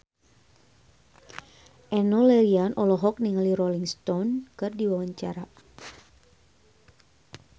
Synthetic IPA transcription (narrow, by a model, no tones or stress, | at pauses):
ʔɛnolɛɾianʔɔlɔɦɔk̚niŋaliɾɔliŋst̪ɔnkɨrdiwawaɲt͡ʃa̰ɾa